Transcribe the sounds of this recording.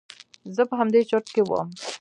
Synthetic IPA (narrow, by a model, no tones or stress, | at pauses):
zəpəɦamd̪et͡ʃəʈ̪kewə̰m